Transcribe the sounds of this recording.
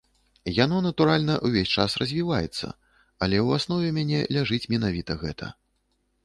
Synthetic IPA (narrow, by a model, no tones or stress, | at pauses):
jan̪ɔnɐt̪uɾalʲnɐʔuvʲesʲt͡ʂasrɐzʲvʲivajɛ̰t̪sːɐ̰ | ɐlʲɛuwasnɔvʲɛmʲanʲɛlʲaʐɨt͡sʲmʲɛnavʲit̪ɐɣɛt̪ʰɐ̰